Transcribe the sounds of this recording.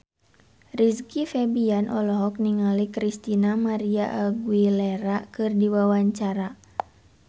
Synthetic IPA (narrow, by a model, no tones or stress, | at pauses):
riskifɛbianʔɔlɔɦɔk̚niŋalikɾist̪inamaɾiaʔaɡuilɛɾakɨrdiwawaɲt͡ʃaɾa